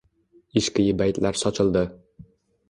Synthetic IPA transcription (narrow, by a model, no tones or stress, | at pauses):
iʃkʲɪjɪbæjt̪læɾsɒt͡ʃʰɤ̆lˠd̪ɨ